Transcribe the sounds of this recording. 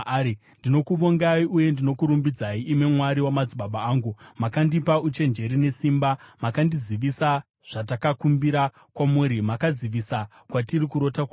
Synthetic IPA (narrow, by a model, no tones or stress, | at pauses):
ndino̞kuʋoŋɡaiuje̞ndino̞kuɾumbid͡zaiːmwe̞mwaɾiwamad͡ziɓaɓaːŋɡumakandipaut͡ʃe̞nd͡ʒe̞ɾine̞simbamakandiziʋisa | ʐ̥at̬akakumbiɾa | kwamuːɾimakaziʋisa | kwatirikuɾo̞tak